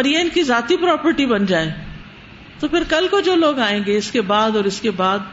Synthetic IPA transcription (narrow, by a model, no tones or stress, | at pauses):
ɔːɾjeɪnkizaːt̪ipɾɔːpəɾʈibɐnd͡ʒaːeː | t̪opʰɪɾkɐlkod͡ʒoːloːɡaːẽːŋɡeɪskebaːd̪ɔːɾɪskebaːd̪̚